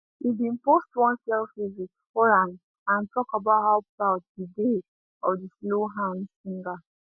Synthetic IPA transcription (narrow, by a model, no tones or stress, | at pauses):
ibĩnpostwɔ̃nsɛlfizikfɔɹãm | ãntʰɔkabaʊthaʊpawtdide | ɔdisloɦãnsĩŋɡa